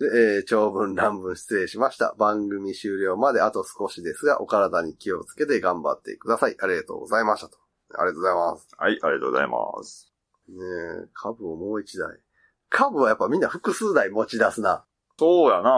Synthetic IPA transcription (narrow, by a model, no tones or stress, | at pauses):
d̪eːt͡ɕo̞ːbɯ̟̃nɾãmbɯ̟̃ɰ̃ɕi̥t͡sɨe̞ːɕimaɕi̥t̪a̰bãŋɡɯ̟mʲiɕɨːɾʲo̞ːmad̪e̞at̪o̞sɨ̥ko̞ɕid̪e̞sɨɡa̰ʔo̞̰kaɾad̪aɲ̟ikʲio̞t͡sɨ̥ke̞t̪e̞ɡãmba̰t̪ːe̞̰kɯ̟d̪asaiʔaɾʲiɡat̪o̞̰ːɡo̞zaimaɕt̪ḁt̪o̥ | a̰ɾʲiɡat̪oːzaimasɨ̥haiaɾʲiat̪oːoza̰ḭma̰s | nekʰabɯ̟omo̞ːit͡ɕid̪a̰ḭ | kʰabɯ̟βajapːamʲĩnːaɸɯ̟kɯ̟sɨːnaimo̞t͡ɕid̪asɨna | soːjana